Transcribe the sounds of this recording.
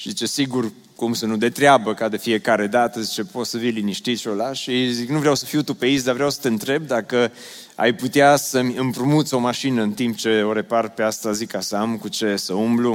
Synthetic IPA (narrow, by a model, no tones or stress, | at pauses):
ʃizit͡ʃe̞siɡur | kumsənud̪e̞t̪ɾeabəkad̪e̞fie̞kaɾe̞d̪at̪əzit͡ʃepot̪səvijliniʃt̪it̪ʃiolaʃiziknuvɾeawsəfiwt̪upeisd̪avɾeawsə̥t̪e̞ɨnt̪ɾe̞b̚d̪akə | a̰jput̪easəmʲɨmpɾumut̪so̞maʃinəɨnt̪imp̚t͡ʃe̞o̞ɾe̞parpeast̪azikasamkut͡ʃe̞səumblu